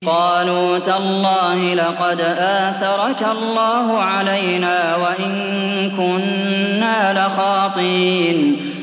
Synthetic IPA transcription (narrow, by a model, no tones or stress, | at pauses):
qɑːluːt̪alˤːɑːhɪlɑqɑd̪ʔaːθɑɾˤɑkalˤːɑːɦʊʕalajnaːwaʔɪn | kʊnːaːlɪxɑːt̪ˤɨɾiːn